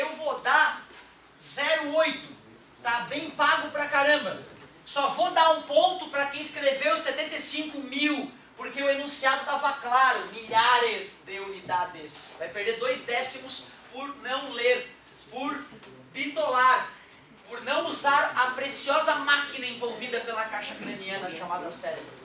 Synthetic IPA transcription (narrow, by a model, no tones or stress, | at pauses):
ewvod̪a | zɛɾʊojt̪ʊ̥ | t̪abẽj̃paɡʊpɾɐkaɾɐ̃bɐ | sɔvod̪aɾũpõnt̪ʊpɾɐkẽj̃skɾevewset̪ẽnt̪esĩŋkʊmiw | poɾkeʊenũsiad̪ʊt̪avɐklaɾʊmiʎaɾɪzd̪ewid̪ad̪ɪsvajpeɾd̪eɾd̪ojzd̪ɛsimʊs | pʊɾnɐ̃w̃leɾ | poɾ | bit̪olaɾ | poɾnɐ̃w̃uzaɾɐpɾesiɔzɐmakinɐẽvowvid̪ɐpelɐkajʃɐkɾemiɐ̃nɐʃamad̪ɐsɛɾɪ